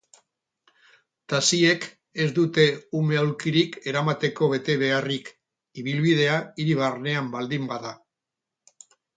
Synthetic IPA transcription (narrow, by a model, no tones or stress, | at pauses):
t̪asie̞k | e̞zd̪ut̪e̞ume̞olkiɾike̞ɾamat̪e̞ko̞βe̞t̪e̞βe̞arik | iβ̞ilβið̞e̞aiɾiβarne̞ambald̪imbaða